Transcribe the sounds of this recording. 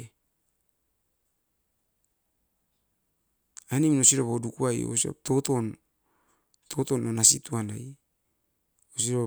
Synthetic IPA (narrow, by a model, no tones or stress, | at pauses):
animnosiɾoβodukuajo̰sio̰tot̪on | tʰot̪ononasḭt̪uanaj | osiɾo